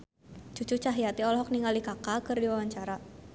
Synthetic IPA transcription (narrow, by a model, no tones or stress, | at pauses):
t͡ʃut͡ʃut͡ʃaɦijat̪iɔlɔɦɔk̚niŋalikakakɨrdiwawaɲt͡ʃaɾa